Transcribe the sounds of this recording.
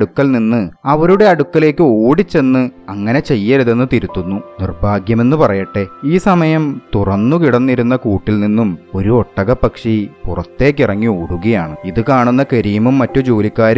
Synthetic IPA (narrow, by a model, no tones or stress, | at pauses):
ɽukːɐlninːɨɐʋɐɾuɽe̞ɐɽukːɐle̞ːkːɨoːɽit͡ɕːe̞nːɨɐŋːɐne̞t͡ɕe̞jːɐɾɐðe̞nːɨt̪iɾut̪ːunːunirbʱaːɡjɐme̞nːupɐrɐjɐʈːe̞iːsɐmɐjɐmt̪urɐnːukiɽɐnːiɾunːɐkuːʈːilninːumo̞ɾuoʈːɐɣɐpːɐkʂipurɐt̪ːe̞ːk̬ːirɐŋːioːɽuɣɐjaːɳɨiðɨkaːɳunːɐkɐɾijɐmumːɐtːud͡ʑoːlikʲːaːɾum